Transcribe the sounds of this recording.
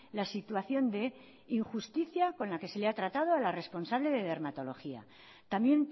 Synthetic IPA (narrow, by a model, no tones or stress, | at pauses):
lasit̪waθjo̞nd̪e̞ | iŋxust̪iθjako̞nlake̞se̞le̞at̪ɾat̪að̞o̞alare̞spo̞nsaβle̞ðe̞ðe̞ɾmat̪o̞lo̞xia̰ | t̪amje̞n